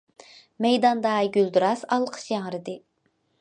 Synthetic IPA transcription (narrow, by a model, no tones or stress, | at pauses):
mɛjd̪ɑnd̪ɑɡʲyld̪uɾɑsɑlˠqʰə̥ʃjɛŋɾɨd̪ɨ